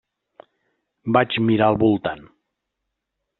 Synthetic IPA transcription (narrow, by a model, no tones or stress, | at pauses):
bad͡ʒmiɾaəlˠβulˠt̪an